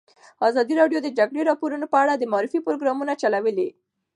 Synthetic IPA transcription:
ɑzɑd̪iɾɑɖjod̪əd͡ʒaɡɽeɾɑpoɾunopəaɽad̪əmɑɾifipɾoɡɾɑmunat͡ʃalawəli

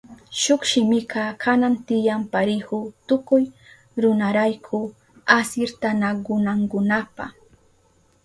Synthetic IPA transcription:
ʃokʃɪmɪkɑkʰanant̪ɪjampaɾɪhʊt̪ʊkʊj | ɾʊnaɾajkʰʊ | asɪɾt̪anaɡʊnaŋkʊnapa̰

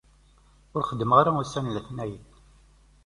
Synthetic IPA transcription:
ʊɾχəd̪ːəmʁaɾaʊsænlæθnæjəd

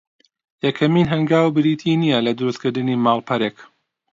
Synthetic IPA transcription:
jɐkʰɐmiːnɦɐŋɡaːwbɨɾit̪ʰinijɐlɐd̪ʊɾust̪̚kʰɨɾd̪ɨniːmaːlˠpʰɐɾeːk

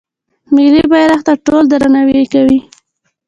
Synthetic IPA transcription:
mɪlibajɾaxt̪aʈold̪aɾanawekawi

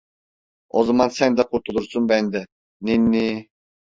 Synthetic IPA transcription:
ozɔmɑnsɛnd̪ɛqʰuɾt̪ulˠuɾsunbɛnd̪ɛ | ninːi

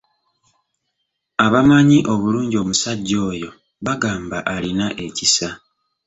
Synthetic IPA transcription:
aβamaɲiʔo̞βuluːɲɟio̞ːmusaɟːo̞ːjo̞ | βaɡaːmbaʔalinaʔe̞cisa

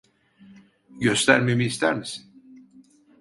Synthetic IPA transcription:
ɟø̞st̪ʰæɾme̞miːst̪ʰæɾmisi̥n

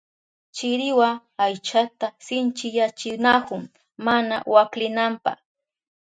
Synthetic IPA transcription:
t͡ʃɪɾɪwa | ajt͡ʃat̪asɪnt͡ʃɪjat͡ʃɪnakʊŋ | mana̰waklɪnampɑ̰χ

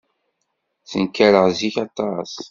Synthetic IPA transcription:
θə̰nkːæɾəʁziçɑt̪ːɑs

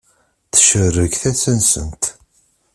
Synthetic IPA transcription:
θə̥ʃərːəkθæsənsə̰nt̪

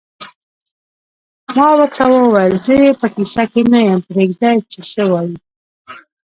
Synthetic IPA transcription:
mɑwəkawəwajlzəjepəkisakemejəmpɾeɡd̪ajt͡ʃesəwɑji

